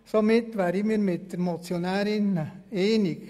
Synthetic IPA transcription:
somɪt̪ːʋæːɾimiːɾmɪt̪̚d̥̪ɛɾmot͡sjonaːɾɪneːnɪk

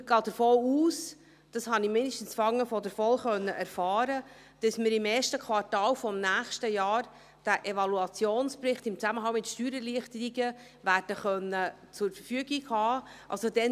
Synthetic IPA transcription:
ɡ̥ɑːd̪̥əɾfoːuːs | d̥ɑshɑnɪmɪndəʃtən̩sfɑŋːəfɔdəɾfɔlχœnːəʔæɾfɑːɾə | d̥ɑsmɪɾɪmɛːʃtəkʰʋɑɾtɑːlfɔmnæːχʃtəjɑːɾ | d̥æʔevɑluɑt͡sjoːnspɾɪχtɪmt͡sæməɦɑŋmɪtʃtyːɾəliəχtəɾiɡə | ʋæːrd̥əχœnːə | t͡sʊɾfəɾfyəɡiɡhɑːʔɑ̰lsodɛn

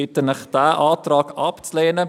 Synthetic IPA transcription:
ɪtənəχd̥æːʔɑːtrɑːkɑpt͡sleːnə

